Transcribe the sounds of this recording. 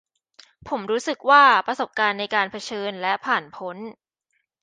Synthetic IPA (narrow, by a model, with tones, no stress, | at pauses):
pʰo˩˦mɾuː˦˥sɯ˨˩k̚waː˥˩pɾa˧so˨˩p̚kaː˧nːa˧jkaː˧npʰa˧t͡ɕʰɤː˧nlɛ˦˥pʰaː˨˩npʰo˦˥n